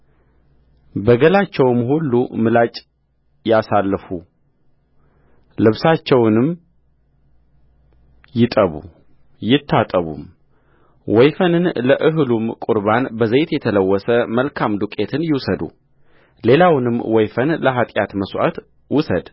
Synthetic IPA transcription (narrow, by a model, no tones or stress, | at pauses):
bəɡəlat͡ʃːɛwmhulːumɨlat͡ʃʼ | jasalːfu | lɨβsat͡ʃːɛwnɨm | jɪt̪ʼəβṵ | jɪt̪ʰːat̪ʼəβṵm | wɔjfənɨnləʔɨɦɨlumkʼuɾbanbəzejt̪jɛt̪ʰələwːɔsəməlkʰamd̪ukʼe̞t̪ʰɨnjɪwsəd̪ṵ | le̞lawnɨmːwɔjfənləɦat̪ʼjat̪məswʔa̰t̪ | wʊsəd̪